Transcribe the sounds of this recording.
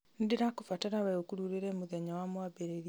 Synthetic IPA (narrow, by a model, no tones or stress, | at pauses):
nideɾakofataɾawɛokuɾuɾeɾɛmoðɛɲawamwabeɾeɾi